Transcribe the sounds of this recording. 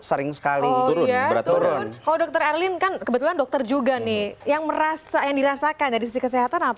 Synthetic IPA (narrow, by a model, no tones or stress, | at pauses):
səɾɪŋsə̥kaliɔuɾʊjaɾat̪uɾʊnkaladɔk̚t̪ərɛrlɪnkankəbət̪ulandɔk̚t̪ərd͡ʒuɡanɪhjaŋməɾasajaŋdiɾasakand͡ʒadisisikəs̬eɦat̪anapa